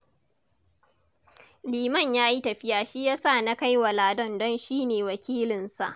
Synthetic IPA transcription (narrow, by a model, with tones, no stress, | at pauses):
liː˨mɐ˦˨ɲjaː˦ji˦tɐ˨ɸɪ˦jaː˨ʃi˦jaː˦sa˦˨na˦ka˦jwa˨laː˨dɔ˦ndɔ˦nʃiː˦neː˨wɐ˨kʲiː˦lɪ˨nsa̰˨ʔ